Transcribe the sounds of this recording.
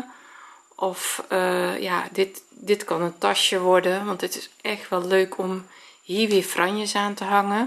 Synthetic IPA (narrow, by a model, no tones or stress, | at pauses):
ʔɔfəjadɪtdɪtkɔnəntaʃjəʋɔrdəʋɔntətɪsɛxtʋɛlˠːøːkʰɔmhiːɹʋɪəfrʔanjəsaːntəɦaŋə